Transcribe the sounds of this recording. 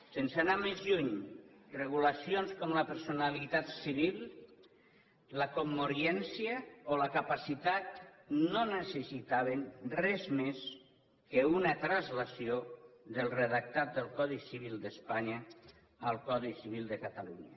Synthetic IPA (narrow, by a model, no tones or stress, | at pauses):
sensanamezʎuɲreɣ̞ulasionskɔmləpəɾsunalit̪at̪siβilˠ | lakomːoɾjɛnsiəolakapasit̪at̪̚nonəsəsit̪aβ̞enrɛzmes | kəunət̪ɾazlasioðəlˠrəðak̚t̪at̪̚d̪əlˠkɔðisiβ̞ilˠd̪əspaɲaː | lˠkɔðisiβ̞ilˠd̪əkat̪aluɲə̰